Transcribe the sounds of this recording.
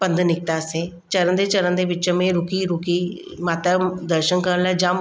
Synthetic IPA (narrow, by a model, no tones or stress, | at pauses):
pənd̪nɪk̚t̪aːse | t͡ʃəɾənd̪eːt͡ʃəɾənd̪eːbɪt͡ʃmẽɾʊkiɾʊkiː | maːt̪ad̪əɾʃənkəɾlad͡ʒam